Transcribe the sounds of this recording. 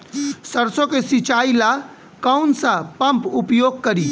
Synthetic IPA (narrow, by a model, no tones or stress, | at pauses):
səɾsokesit͡ʃaila | kəwnsə̃pəmpupjoɡ̚kəɾi